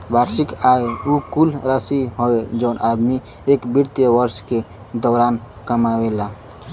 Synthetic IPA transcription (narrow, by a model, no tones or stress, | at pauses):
baɾsikaeukulɾəsiɦoed͡ʒəʊnʔad̪mi | ekbiɾt̪jəʋəɾske | d̪ɔʊɾan | kəmawela